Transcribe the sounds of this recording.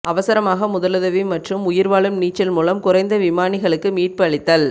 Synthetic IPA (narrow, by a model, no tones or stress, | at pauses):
ɐʋɐsɐɾɐmaːɣɐmʊðɐlɐðɐʋimɐʈrɯmʊjɪɾʋaːɭɯmniːt͡ʃːɐlmuːlɐmkʊrɐɪnd̪ɐʋɪmaːnɪɣɐɭɯkːɯmiːʈ̚pɐɭɪt̪ːɐl